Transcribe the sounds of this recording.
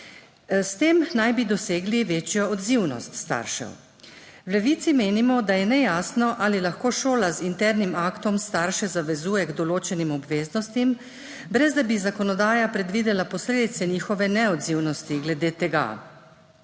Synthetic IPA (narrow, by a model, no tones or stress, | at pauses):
st̪eːmnajbid̪ɔseːɡliʋeːt͡ʃjɔɔd̪ziwnɔ̰st̪st̪a̰ːɾʃɛ̰w | wlɛʋiːt̪simeːnimɔd̪ajɛnɛjaːsnɔʔalilaxkoːʃoːlazint̪ɛɾnimaːkt̪ɔmst̪aɾʃɛzaʋɛzuːjɛɡd̪ɔloːt͡ʃɛnimɔbʋeːznɔst̪im | bɾɛzd̪abizakɔnɔd̪aːjapɾɛd̪ʋiːd̪ɛlapɔsleːd̪it̪sɛniːxɔʋɛnɛɔd̪ziwnɔst̪iɡlɛd̪eːt̪ɛɡa̰